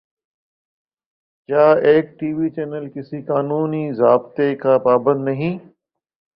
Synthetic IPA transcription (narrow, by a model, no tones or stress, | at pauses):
kjaːeːk̚ʈiːʋit͡ʃeːnəlkɪsikaːnuːnizaːbt̪ekapaːbə̃nd̪nɐɦĩː